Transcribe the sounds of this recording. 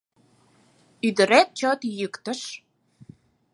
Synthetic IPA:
yd̪ə̆ɾæt̪̚t͡ɕot̪jəkt̪ə̆ʃ

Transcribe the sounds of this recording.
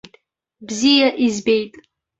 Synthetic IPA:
bzijaʔizbejtʼ

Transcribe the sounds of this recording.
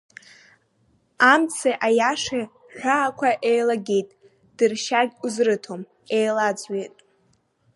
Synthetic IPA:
amt͡sʰeʔajaʂe | ħᶣʷaːkʷʰaʔejlaɡʲejtʼ | d̥ɨrʃarɡʲuzrɨtʰo̞m | ejlad͡zɥejtʼ

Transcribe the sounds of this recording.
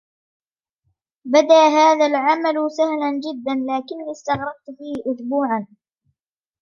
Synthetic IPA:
bad̪aːɦaːðalʕamalsahland͡ʒɪd̪ːanlaːkɪnːiːst̪ɑɣɾˤɑb̚t̪fiːhɪʔʊsbuːʕan

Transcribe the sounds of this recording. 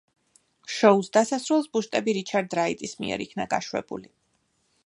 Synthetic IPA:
ʃɔusd̪asasɾulˠsbuʃt̪ʼɛbiɾit͡ʃʰaɾd̪ɾait̪ʼismḭɛ̰ɾikʰnaɡaʃwɛ̰bṵli

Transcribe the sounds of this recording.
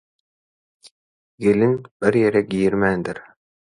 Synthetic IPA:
ɡelinb̥iɾjeɾɛɡʲijiɾmænd̪iɾ

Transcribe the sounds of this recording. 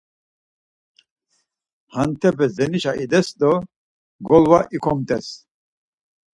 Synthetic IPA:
hant̪ʰɛbɛzɛniʃaʔid̪ɛsd̪ɔ | ɡɔlwaʔikʰɔmt̪ʼɛs

